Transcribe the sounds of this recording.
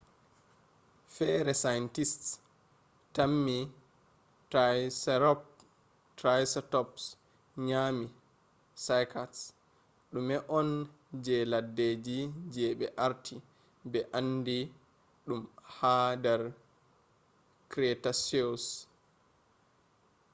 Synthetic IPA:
fɛːɾɛsajntist | tamːi | tasɾɔp̚ | tɾajstɔps | ɲami | sajkʰas | ɗumɛʔɔn | d͡ʒɛladːed͡ʒid͡ʒɛɓɛʔaɾtʰi | bɛʔandi | ɗumhadɛɾ | kɾɛtasos

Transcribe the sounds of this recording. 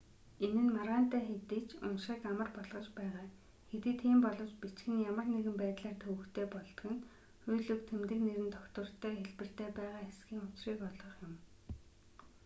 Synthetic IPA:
enɘ̆nmaɾaːn̥t̪æːxet̪iːt͡ɕʊnʃĭkamə̆rpɔɮʁɞ̆t͡ɕpæːʁaː | xet̪iːt̪ʰːiːmpɔɮɞ̆wt͡ɕpit͡ɕxɘ̆njamə̆kneɣɘ̆mpæːt̪ɮaːrt̪ʰɵwɵ̆kt̪ʰeːpɔɮt̪ɞ̆ɣɘ̆n | xʊjɮɵ̆kt̪ʰemt̪ɘ̆kneɾɘ̆nt̪ʰɔkt̪ə̆r̥t̪ʰːæːxeɮpɘ̆r̥t̪eːpæːʁaːxesɡiːŋʊt͡ɕriːkɔɮʁɞ̆χjʊm

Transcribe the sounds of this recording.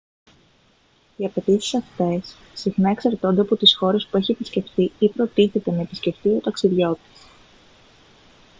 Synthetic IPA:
iɐpe̞t̪isi̥sɐft̪e̞sː | ixnɐe̞ksɐɾt̪o̞nd̪eɐpot̪isxo̞ɾe̞spue̞çie̞pisce̞ft̪iipɾo̞t̪iθe̞t̪e̞nɐe̞pisce̞ft̪io̞t̪ɐksiðʝo̞t̪i̥s

